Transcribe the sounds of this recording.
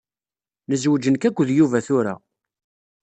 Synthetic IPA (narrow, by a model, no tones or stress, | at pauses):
nəzwəd͡ʒənkækʷːəðjuvæθʊɾa̰